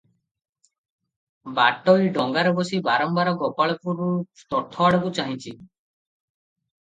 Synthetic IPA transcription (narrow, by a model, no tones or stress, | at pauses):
baʈɔjɖɔŋɡaɾɔbɔsibaɾɔmbaɾɔɡɔpaɭɔkuɾut̪ɔʈ̪ʰːɔwaɽɔkut͡ʃaɦĩt͡ʃʰi